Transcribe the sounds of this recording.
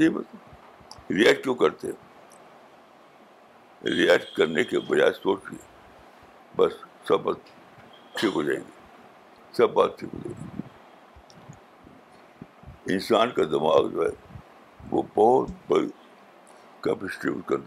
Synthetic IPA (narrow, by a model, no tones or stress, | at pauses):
ib̪ | ɾiɛk̚ʈ̚kjõːkɐɾt̪eɦɛ̰̃ | ɾiɛːkʈkɐɾnekebɐd͡ʒaːesoːt͡ʃḭɦɛ | bɐsː | ɐbːaːt̪ | ʈʰiːkɦod͡ʒaːeɡi | sɐbːaːt̪̚ʈʰḭːkɦo̰ːd͡ʒa̰ːeɡii | ɪnsaːnkad̪ɐma̰ːɡd͡ʒo̰ːɦɛ̰ | ʋo̰bɔːt̪bɐi | kɐpɪsʈḭbʈkɐɾt̪